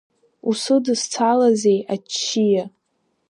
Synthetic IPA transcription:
usɨdɨst͡sʰalazejat͡ʃʰːija

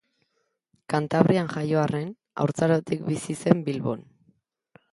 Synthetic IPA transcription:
kant̪aβ̞ɾianʝajo̞are̞n | a̰wɾt͡saɾot̪ikbisise̞mbilβo̰n

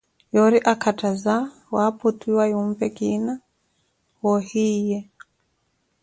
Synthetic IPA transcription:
jɔɾiʔakʰataza | waputiwajumpɛkina | wɔhijɛ

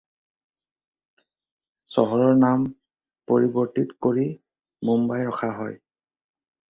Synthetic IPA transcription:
sɔɦɔɹɔɹnam | poɹibɔɹtitkoɹi | mumbajɹɔxʰaɦɔ̰j

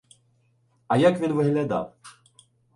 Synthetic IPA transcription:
ajakvʲinvɨɣlʲad̪a̰w

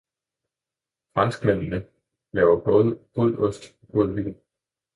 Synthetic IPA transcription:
fʁɑ̈nsɡ̥men̰nə | lɛːʊɐb̥ɔ̽ːð̞ˠəfʰɔl̰dɔsd̥ | b̥oðˠʋḭːn̩

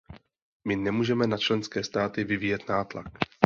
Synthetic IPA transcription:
mɪnɛmuːʒɛmɛnat͡ʃlɛnskɛːst̪aːt̪ɪvɪviːjɛt̪naːt̪la̰k

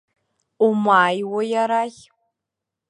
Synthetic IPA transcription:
umaːjwojaɾaj

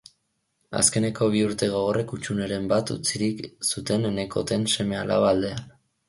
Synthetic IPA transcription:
a̰ske̞ne̞ko̞β̞iuɾt̪e̞ɣ̞o̞ɣ̞o̞re̞kut͡ʃune̞ɾe̞mbat̪ṵt͡siɾiksut̪e̞nene̞ko̞t̪e̞nse̞me̞ala̰βald̪e̞an

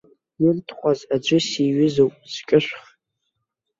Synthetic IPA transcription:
jɪntʰχʷʼazad͡ʒʷɨsiɥɪzowpʼskʲʼɨʃʷχ

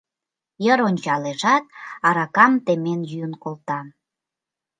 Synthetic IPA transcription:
jəɾonʲt͡ɕɑleʒɑt̪̚ɑɾɑkɑmt̪emenjyənkolt̪ɑ

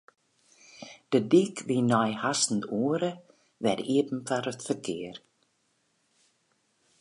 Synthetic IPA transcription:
d̥ədikʋinɔjhasn̩tuəɾə | ʋɛdiəpm̩faɾətfərkʰɪər

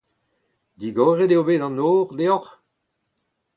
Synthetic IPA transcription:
d̪iɡɔːʁedeobeːdɑ̃noːʁd̪eɔʁ

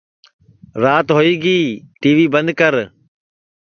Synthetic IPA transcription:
ɾaːt̪ɦoːiːɡiːʈiːʋiːbənd̪̚kəɾ

